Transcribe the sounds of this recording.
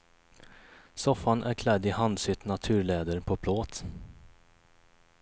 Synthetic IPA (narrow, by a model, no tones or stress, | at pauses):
sɔfːanʔæ̰ɾkʰlɛd̪ːɪhand̪sʏt̪nat̪ʰʉ̟ːɾɭeːd̪əɾpʰɔpʰloːt̪